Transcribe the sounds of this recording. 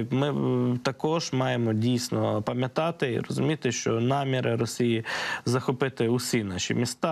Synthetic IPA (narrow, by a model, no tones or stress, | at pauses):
mɪt̪ɐkɔʒmɑjemɔdʲijsʲnɔpɐmʲjɐt̪ɑt̪ɪḭɾɔ̰zʊmʲit̪ɪʃt͡ʃɔnɑmʲiɾɪɾɔsʲijizɐxɔpɪt̪ɪʊsʲinɑʃʲḭmʲist̪ɑ